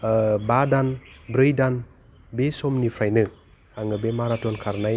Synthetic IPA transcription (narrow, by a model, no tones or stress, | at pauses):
əbadanbɾəjdan | besomnifajnə | aŋəbemaɾatonkʰaɾnaj